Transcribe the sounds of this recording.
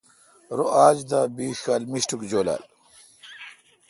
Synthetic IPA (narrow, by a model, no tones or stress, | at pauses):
ɾoʔaːd͡ʑd̪aːbiːxaːlmiɕʈukd͡ʑoːla̰ːl